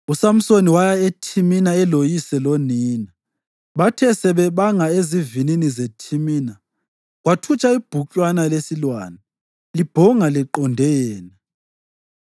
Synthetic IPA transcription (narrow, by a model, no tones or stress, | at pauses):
usam̩soniwajaetʰiminaɛlojisɛlɔniːna | βatʰɛsɛβɛβaŋaezivininizetʰimiːna | ɣwatʰut͡ʃʰʼaib̥ʱut͡ɬʼwanalesilwa̰ːna | lib̥ʱɔŋalɛǃɔndʱɛjɛːna